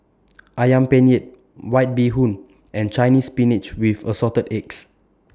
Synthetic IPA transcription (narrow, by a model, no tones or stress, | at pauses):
ʔajãmpɛ̃nɛt̚ | wajt̚biɦũn | ʔɛ̃nt͡ʃajnispinit͡ʃwifəsɔtədɛks